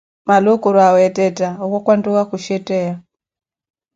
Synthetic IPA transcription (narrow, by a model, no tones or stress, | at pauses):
malukuɾwawɛtɛtaɔkɔkwandukakuʃɛtɛja